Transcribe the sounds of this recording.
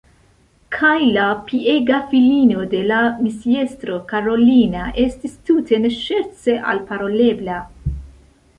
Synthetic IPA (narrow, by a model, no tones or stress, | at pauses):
kʰajlapie̞ɡafilino̞de̞lamisie̞stɾo̞kaɾo̞linaʔe̞stistutʰe̞neʃe̞ɾt͡se̞ʔa̰lpaɾo̞le̞bla